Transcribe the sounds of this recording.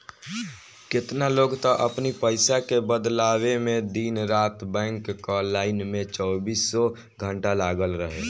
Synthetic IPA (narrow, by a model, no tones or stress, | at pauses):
kɪt̪naloːɡt̪aʔəpnipəɪsakebəd̪laːwemẽd̪iːnɾaːt̪bɛ̃ːŋkːɔlaːɪnmẽt͡ʃɔːbiːsːɔ | ɡʱə̃ɳʈalaːɡəlɾəɦeː